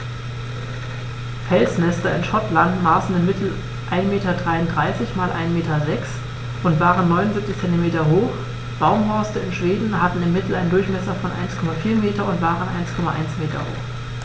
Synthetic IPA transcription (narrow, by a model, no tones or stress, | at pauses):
fɛlsmɛstɐɪnʃɔtlantmaːsn̩ɪmːɪtʰl̩ | ʔaɪnmeːtɐdʁaɪʊntdʁaɪsɪçmaːlʔa̰ɪnmeːtɐzɛks | ʔʊntv̥aːʁənːɔʏnʊnzip̚t͡sɪçt͡sɛntimeːtɐɦoːx | b̥aʊmhɔɐstəɪnʃv̥eːdn̩ɦatn̩ɪmːɪtl̩aɪndʊɐçmɛsɐfɔnʔa̰ɪnskʰɔmafiːɐmeːtɐʊntv̥aːʁənʔa̰ɪnskʰɔmaʔa̰ɪnsmeːtɐ̰ho̰ːx